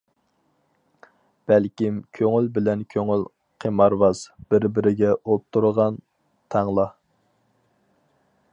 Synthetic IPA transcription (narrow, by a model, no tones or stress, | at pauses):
b̥ɛlkʲimkʲʰøŋylbɪlɛnkʲʰøŋyl | qʰemɑɾwɑz̥b̥ɪɾbɪɾɪɡʲɛʔop̚t̪ʰːuɾəʁɑn | t̪ʰɑŋlˠɑ